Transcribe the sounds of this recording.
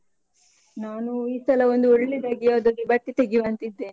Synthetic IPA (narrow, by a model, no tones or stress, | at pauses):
naːnuiːsɐlɐond̪uoɽlid̪aːɡiɐd̪ɐd̪ibɐʈːit̪eɡiʋɐnt̪id̪ːeː